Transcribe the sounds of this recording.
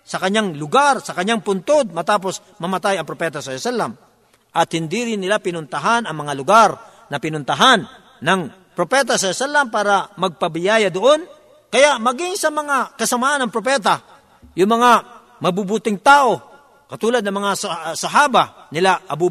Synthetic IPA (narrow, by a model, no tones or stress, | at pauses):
sɐkɐɲːaŋlʊɡaɾsɐkɐɲːaŋpʊnt̪od̪̚mɐt̪aːp̬o̞s | mɐmɐt̪ajɐŋpɾopɛːt̪ɐsɐɾosalam | ʔɐt̪hɪnd̪iɾɪnːɪlapɪnʊnt̪ɐɦanɐŋmɐŋalʊɡaɾ | nɐpɪnʊnt̪ɐɦanː | ɐŋ | pɾopɛt̪̬ɐsɐɾsalɐmpaːɾɐmɐɡ̚pɐbɪjaːjɐd̪oʔon | kɐjaʔmɐɡɪŋsɐmɐŋakɐsɐmaʔanɐŋpɾop̬ɛt̪a | jʊŋmɐŋa | mɐbubut̪ɪŋt̪aːʔo̞ | kɐt̪uːlɐd̪nɐŋmɐŋassɐɦaːba | nɪlaʔɐbu